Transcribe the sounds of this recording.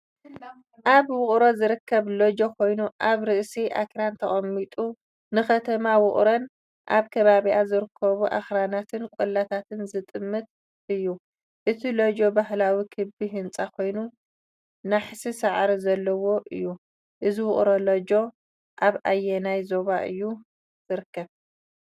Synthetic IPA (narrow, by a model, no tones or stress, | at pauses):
ʔaβwʊχʼɾo̞zɨɾɨkʰːɐβlod͡ʒo̞kʰo̞jnuʔaβɾɨʔsiʔakɾant̪ʰɐχʼɐmːit̪ʼu | nɨxɐt̪ʰɐmawʊχʼɾon | ʔaβkʰɐβaβiʔazɨɾɨkʰːɐβuʔa̰xɾanat̪ʰɨnkʼulːat̪ʰat̪ʰɨnzɨt̪ʼɨmːɨt̪̚ | ɨjːu | ʔɨt̪ʰilod͡ʒo̞baɦlawikʰɨbiɦɨnt͡sʼakʰo̞jnu | naħsisaʕɾizɐlːɐwo̞ʔɨ̰jːu | ʔɨziwʊχʼɾolod͡ʒo̞ | ʔaβʔajːenajzoβaʔɨ̰jːu | z̥ɨɾɨkːɐβ